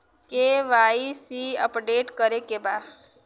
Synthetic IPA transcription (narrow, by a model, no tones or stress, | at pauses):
keʋaːisiə̰pɖeːʈkəɾekebaː